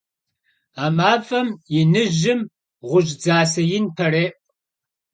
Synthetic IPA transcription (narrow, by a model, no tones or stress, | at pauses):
aːmaːvɐmjɪnɨʒɪm | ʁʷʊʒd͡zaːsɐjɪnpʰɐreːʔʼ